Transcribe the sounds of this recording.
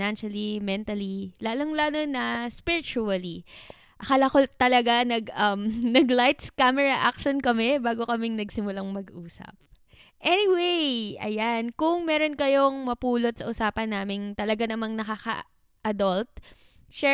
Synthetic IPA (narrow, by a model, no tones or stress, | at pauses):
nanʃɐlimɛnt̪ɐlilaːloŋlaːnonɐspɪɹɪt͡ʃuɐli | ʔɐkɐlɐkot̪ɐlɐɡanɐɡʔɐmnɐɡlajt̪skamɛɹɐʔa̰k̚ʃonkɐmɛbaːɡo̞kɐmɪŋnɐɡsɪmʊlaŋmɐɡʔuːsɐ̰p̚ | ʔɛniwejʔɐ̰jankʊŋmɛːɾo̞nkɐjo̞ŋmɐpuːlo̞t̪̚sɐʔʊsaːpɐnːaːmɪŋt̪ɐlɐɡanɐmaŋnɐkaxɐ̰ | ʔɐd̪ɐlt̪̚ | ʃɛ